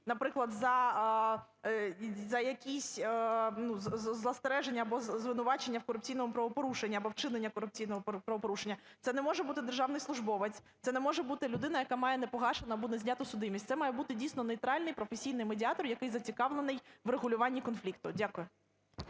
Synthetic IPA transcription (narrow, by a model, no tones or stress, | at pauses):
nɐpɾɪklˠɐd̪zɐ | zɐjɐkʲisʲnuzzzlˠɐst̪ɾɛʒenʲːɐbɔzzʋɪnʊʋɑt͡ʃenʲːɐwkɔɾʊp̚t͡sʲijnɔmʊpɾɐʋɔpɔɾuʃenʲːɐːbɔwt͡ʃɪnenʲːɐkɔɾʊp̚t͡sʲijnɔɦɔpɾɐʋɔpɔɾuʃenʲːɐt̪sɛnɛmɔʒɛbut̪ɪd̪erʒɑwnɪjsˠʊʒbɔʋet͡sʲt̪sɛnɛmɔʒɛbut̪ɪlʲʊd̪ɪn̪ɐjɐkamɑjɛnɛpɔɦɑʃenɐbunɛzʲnʲɑt̪ʊsʊd̪ɪmʲistʲt̪sɛmɑjɛbut̪ɪdʲijsʲnɔnɔjt̪ɾɑlʲnɪjpɾɔfesʲijnɪjmedʲɪɑt̪ɔrjɐkɪjzɐt͡sʲikɑʋlˠenɪjʋreɣʊlʲʊʋɑnʲːikɔnflʲikt̪ʊdʲakʊjʊ